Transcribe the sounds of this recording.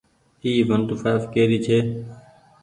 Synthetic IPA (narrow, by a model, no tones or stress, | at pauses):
iːʋənʈ̪uːfaːfkeːɾiːt͡ʃʰeː